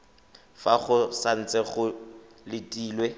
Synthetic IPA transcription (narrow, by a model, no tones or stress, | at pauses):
faχʊsan̩t͡sʼɛχʊ | lɪtʼiːlwe